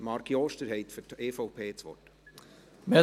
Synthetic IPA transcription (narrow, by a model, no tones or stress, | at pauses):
mɑːɾkiɔːʃtəɾɦɛɪtfyteːfopʰeːt͡sʋɔ̰t | me